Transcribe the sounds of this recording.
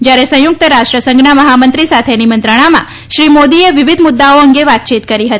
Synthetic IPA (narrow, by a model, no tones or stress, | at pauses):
d͡ʒjaɾesə̃jʊk̚t̪əɾaʃʈɾəsə̃ŋɡnaməɦamənt̪ɾisat̪ʰenimə̃nt̪ɾəɽ̃amã̰ | ʃɾimod̪ieʋɪʋɪd̪ʱmʊd̪ːaoəŋɡeʋat̪̚t͡ʃʰit̪kəɾiɦət̪ii